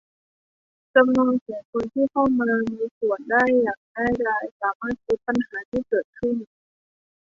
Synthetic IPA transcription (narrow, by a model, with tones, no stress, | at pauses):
t͡ɕa˧mnuː˧nkiː˩˦ŋkʰo˧nt̪ʰiː˥˩kʰa˥˩wmaː˧miː˧su˨˩əndaː˥˩jːaː˨˩ŋ̚daː˥˩jdaː˥˩jsaː˩˦maː˥˩t̪̚ku˦˥t̪̚pːa˧nhaː˩˦t̪ʰiː˥˩kɤː˨˩t̪̚kʰɯ˥˩n